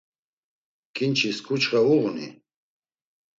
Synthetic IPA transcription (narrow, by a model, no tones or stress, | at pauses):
kint͡ʃʰiskut͡ʃʁauʁnḭ